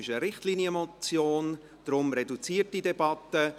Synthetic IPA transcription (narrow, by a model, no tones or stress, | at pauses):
ɪʃəɾɪχtlinjəmɔt͡sjoːn | d̥ɾʊmɾɛdut͡siːət̚didɛbɑtə